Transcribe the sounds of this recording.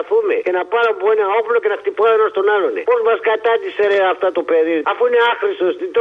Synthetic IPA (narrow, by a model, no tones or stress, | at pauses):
θumḛcenapaɾompuenaoplocenɐxt̪ipaonɐst̪onalonḛpozmɐskat̪ɐt̪iseɾeaft̪ɐt̪opeðiɾafuineaxɾist̪ost̪it̪o